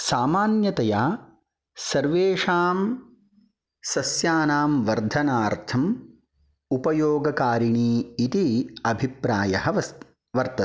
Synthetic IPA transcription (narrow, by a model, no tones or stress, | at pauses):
saːmaːnjɐt̪ɐjaː | sɐɾʋeːʂaːm | sɐsjaːnaːmʋɐɾd̪ʱɐnaːɾt̪ʰɐm | upɐjoːɡɐkaːɾiɳiːit̪iɐbʱipɾaːjɐɦɐʋɐ | ʋɐɾt̪ɐ